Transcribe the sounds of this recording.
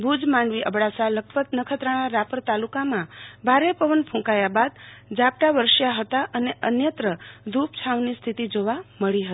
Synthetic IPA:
bʱud͡ʒmaɳɖʋiʔəbɽasaləkʰpət̪nəkʰət̪ɾəɽ̃aɾapəɾt̪alukamãbʱaɾepəʋənpʰũkajabad̪d͡ʒap̚ʈaʋəɾʃjaɦət̪aʔəneʔənjət̪ɾəd̪ʱup̚t͡ʃʰaʋnist̪ʰit̪id͡ʒoʋaməɭiɦət̪i̥

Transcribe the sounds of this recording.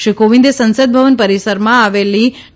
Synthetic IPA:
ʃikoʋĩnd̪esə̃nsəd̪̚bʱəʋənpəɾisəɾmãaʋeli

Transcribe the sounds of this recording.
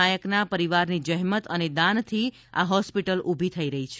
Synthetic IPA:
ajəknapəɾiʋaɾnid͡ʒəɦmət̪əned̪ant̪ʰi | a̰ɦɔspiʈəlubʱit̪ʰəiɾəɦit͡ʃʰ

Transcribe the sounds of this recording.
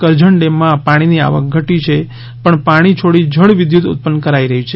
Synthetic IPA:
kəɾd͡ʒəɳɖemːãpaɽ̃inia̰ʋək̚ɡʱəʈit͡ʃʰe | pəɳpaɽ̃it͡ʃʰoɽid͡ʒʱəɭʋɪd̪jut̪ṵt̪̚pənkəɾaiɾəɦit͡ʃʰe

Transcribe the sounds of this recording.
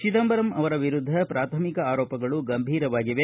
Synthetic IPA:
t͡ʃit̪ɐmbɐɾɐmʔɐʋɐɾɐʋiɾud̪ʱːɐpɾaːt̪ʰɐmikɐaːɾɔːpɐɡɐɭuɡɐmbʱiːɾɐʋaːɡiʋe

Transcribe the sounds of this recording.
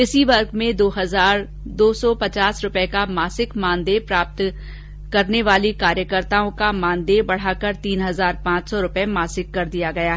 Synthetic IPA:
ɪsiʋɐɾɡmẽd̪oːɦɐzaːɾ | d̪oːsɔːpɐt͡ʃaːsɾʊpɛkamaːsɪkmãːnd̪epɾaːp̚t̪ | kɐɾneʋaːlikaːɾjəkəɾt̪aːõkamãːnd̪ebɐɽ̤aːkəɾt̪iːnɦɐzaːɾpãːt͡ʃsɔɾʊpɛmaːsɪkːɐɾd̪ijaɡɐjaː

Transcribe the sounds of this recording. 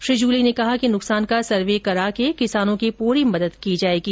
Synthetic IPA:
ʃɾɪd͡ʒuːlinekɐɦakinʊksaːnkasɐɾʋeːkɐɾaːkekɪsaːnõkipuːɾimɐd̪əd̪kid͡ʒaːeːɡiː

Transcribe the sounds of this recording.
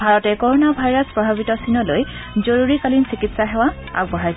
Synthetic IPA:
bʱaɹɔtɛkɔɹɔnabʱajɹaspɹɔbʱabitɔsinɔlojzoɹuɹikalinsikitsaɦɛwa | a̰bɔɦaj

